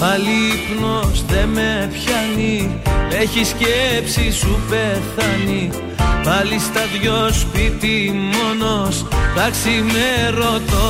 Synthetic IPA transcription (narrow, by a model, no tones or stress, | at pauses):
pɐlipno̞sðemepçɐnieçiscepsisupe̞θɐni | vɐlist̪ɐðʝospit̪imo̞no̞st̪ɐksimeɾo̞t̪o